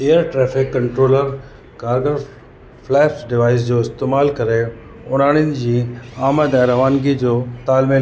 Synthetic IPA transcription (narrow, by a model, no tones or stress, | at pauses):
eːəɾʈɾɛːfɪkːɐ̃ɳʈɾoːləɾ | kaːɾɡəɾ | flɛːpɖɪʋaːɪs̬d͡ʑoːɪst̪eːmaːlkɐɾe | ʊn̤aːɽ̃jʊnɪ̆d͡ʑiːaːməd̪ɛ̃ːɾɐʋaːnɡid͡ʑoːt̪aːlmĩ